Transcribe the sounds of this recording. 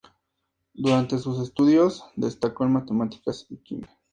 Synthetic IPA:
d̪uɾant̪e̞s̬us̬e̞st̪uðjo̞zd̪e̞st̪akoenmat̪e̞mat̪i̥kasikḭne

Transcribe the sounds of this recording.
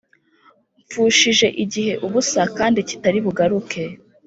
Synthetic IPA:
ɱfuːʃiʒe̞ʔiɟiɦe̞ʔuβusakaːndici̥taɾiβuɡaɾukʰe̞

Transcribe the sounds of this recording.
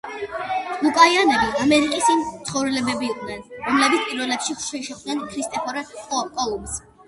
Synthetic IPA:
lukʼaianɛbiamɛɾikʼisimt̪sʰχɔvɾɛlɛbɛbiːqʼnɛnɾɔmlɛbit̪pʼiɾwɛlɛpʃikʰʃɛʃɛχd̪nɛnkʰɾist̪ʼɛpʰɔɾɛkʼɔlˠums

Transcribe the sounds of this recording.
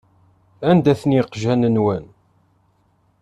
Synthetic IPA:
ænd̪æθənjɪqʒænənwæn

